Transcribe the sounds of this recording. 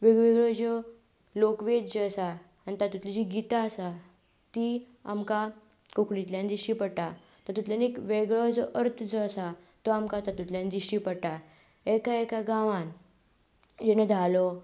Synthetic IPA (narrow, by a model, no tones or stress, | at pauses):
ʋeɡʋeɡɭɔd͡ʑɔ | lokʋet̪d͡ʑesaː | nt̪at̪ut̪lid͡ʑiɡit̪aəsa | t̪i | amka | koklit̪ljãnd̪iɕipəɽʈa | t̪əɾt̪ut̪ljanekʋeɡɭɔd͡zɔʔəɾt̪ʰd͡zɔəsa | t̪ɔamkat̪at̪ut̪ljãnd̪iɕipəɽʈa | ekaekaɡãʋan | d͡ʑenəd̪ʱalɔ